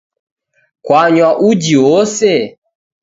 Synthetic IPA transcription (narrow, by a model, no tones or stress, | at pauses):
kwaɲwaʔud͡ʒiwɔsɛ